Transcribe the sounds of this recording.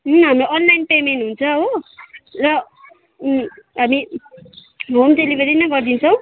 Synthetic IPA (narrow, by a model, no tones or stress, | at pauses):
ɦɦamɾoʔʌnlajnpemenʈɦunt͡sʰʌɦo | rʌ | ɦami | ɦomtelibʱeɾinʌɡʌrd̪int͡sʰʌw̃